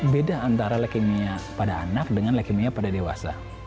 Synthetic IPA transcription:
bedaːnt̪aɾalakimiapadaːnak̚dəŋanlakimiapadadewa̰sa̰

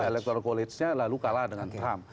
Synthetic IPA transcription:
elɛk̚t̪ɔrkɔlɪsɲalalukaladəŋant̪ɾam

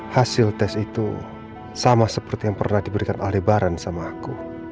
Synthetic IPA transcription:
hasɪlt̪ɛsit̪ṵ | samasəpərt̪ijaŋpərnahdibəɾikanalebaɾansamaku

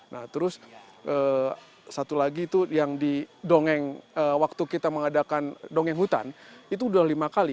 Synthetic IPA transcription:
naht̪əɾʊs | ʔə | sat̪ulaɡit̪ujaŋdidoŋɛŋəwak̚t̪ukit̪aməŋadakandoŋɛŋɦut̪a̰nit̪̬uduahlimakali

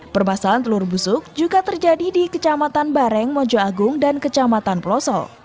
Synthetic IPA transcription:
pərmasalant̪əlʊrbusʊk̚d͡ʒuɡat̪ərd͡ʒadidikət͡ʃamat̪anbaɾɛŋmɔd͡ʒɔaɡʊŋdankət͡ʃamat̪anpəlɔsɔ̰

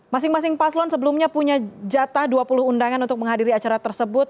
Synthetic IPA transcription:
masɪŋmas̬ɪŋpaslɔnsəbəlumɲapuɲad͡ʒat̪ahduapulʊhundaŋanunt̪ʊk̚məŋɦadiɾiat͡ʃaɾat̪ərsəbʊt̪̚

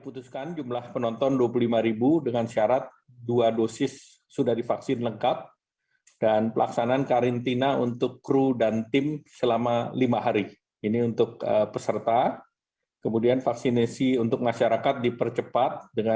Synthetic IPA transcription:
put̪uskand͡ʒumlahpənɔnt̪ɔnduapulimaɾibudəŋansiaɾat̪̚ | duadosɪsː | udahdifaksɪnləŋkat̪̚ | danpəlʔa̰ksanaːnkaɾint̪inaunt̪ʊkːɾudant̪ɪmsəlamalimaɦaɾi | iniunt̪ʊk̚əpəsərt̪a | kəmudianfaksinasiunt̪ʊk̚maʃaɾakat̪̚dipərt͡ʃəpat̪̚dəŋa

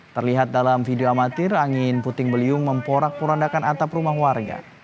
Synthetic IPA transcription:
t̪ərliɦat̪̚dalamfidioamat̪ɪraŋɪnput̪ɪŋbəliʊŋməmpoɾak̚puɾandakanat̪aprumahwarɡa̰

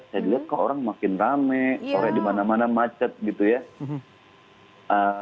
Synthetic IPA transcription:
sadiat̪̚kaoɾaŋmakɪnramɛoɾɛdimanamanamat͡ʃət̪̚ɡit̪uja | ə

